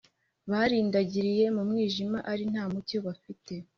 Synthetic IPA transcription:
βaːɾiːndaɟiɾije̞mumŋiːʒimaʔaɾin̥haːmuco̞βafite̞

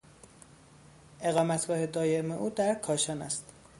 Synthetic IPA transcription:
ʔe̞ɣɒːmæt̪ɡ̥ɒːhe̞d̪ɒːjeme̞ʔuːd̪æɾkʰɒːʃɒːnæ̰st̪

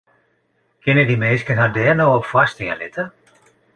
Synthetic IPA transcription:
kɪnədimeːskənɦadɛːrnoːɔpfwastiə̰lɪtə

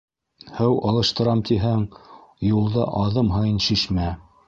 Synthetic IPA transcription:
hɘwɑlˠɤ̆ʃt̪ɤ̆ɾɑmt̪iɦæŋjulˠdɤʔɑðɤmɦɤjɤnʃiʃmæ

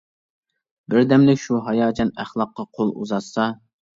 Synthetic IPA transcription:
bɪɾd̪ɛmlɪkʲʃuɦɑjɑːd͡ʒʰɑnæχlˠɑqːɑqʰolˠṵzɑt̪sɑ

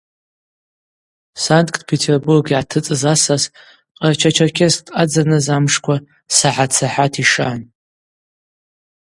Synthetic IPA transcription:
santʼkʰʼdpʰetʰerburɡʕatʰɨt͡sʼɨzasaz | qʼart͡ʃʰat͡ʃʰarkʰʲʼestʰʼad͡zanɨzamʂkʷʰa | saħat͡sʰaħatʰiʂan

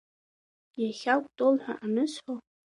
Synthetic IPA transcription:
jaχʲawkʷʼtʼolħʷᶣa̰ʔanɨsħo

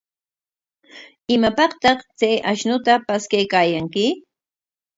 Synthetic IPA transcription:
ɪmapɑqt̪ɑχt͡sajʔaʃnʊt̪apaskajkaːjaŋkɪ

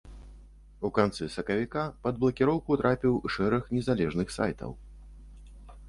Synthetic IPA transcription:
ukant̪sɨsɐkɐvʲikapɐd̪̚blˠɐkʲiɾɔwkut̪ɾʔapʲiwʂɛɾɐxnʲɛzalʲɛʐnɨxsa̰jt̪ɐ̰w

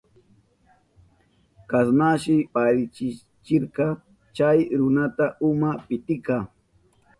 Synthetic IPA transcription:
kasnaʃɪpaɾɪt͡ʃɪ | t͡ʃɪɾqɑ | t͡ʃajɾʊnat̪aʔʊmapɪt̪ɪkɑ

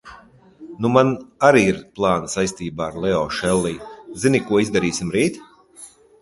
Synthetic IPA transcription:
numanaɾiːiɾplˠaːnsajst̪iːbaːaɾlˠɛɔːʃɛlˠːiːzinikuɔizd̪aɾiːsimɾiːt̪

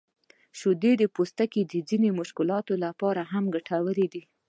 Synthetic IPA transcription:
ʃod̪ed̪əpost̪aked̪əd͡zinemʊʃkɪlɑt̪olapɑɾaɦamɡaʈʰawəɾed̪i

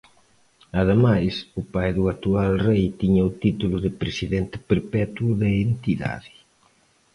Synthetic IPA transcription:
aðemajsʊpajðuat̪ualrejt̪iɲɐʊt̪it̪ulʊðɪpɾesiðɛnt̪ɪ̥peɾpɛt̪wʊðeent̪iða̰ðɪ

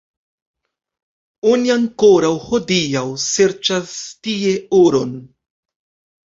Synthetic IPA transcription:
oniaŋko̞ɾawho̞diawse̞ɾt͡ʃastie̞oɾo̞n

